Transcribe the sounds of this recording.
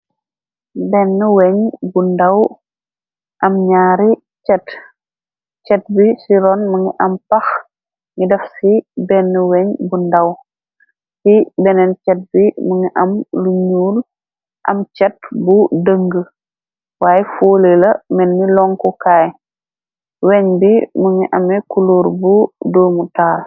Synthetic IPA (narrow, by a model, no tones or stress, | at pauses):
bɛnːəwɛɲbundɐw | ʔɐmɲaːɾi | t͡ʃɛt | t͡ʃɛt̚bisiɾɔnmɐŋiʔɐmpɐx | ŋidɛfsibɛnːəwɛɲbundɐw | sibɛnɛnt͡ʃɛt̚bimuŋiʔɐmluɲuːl | ʔɐ̰mt͡ʃɛt̚budəŋɡə | waːjɛfoːlelɐmɛnːilɔŋkɔkaːj | wɛɲbimuŋiʔɐmɛkuloːɾbudoːmutaːl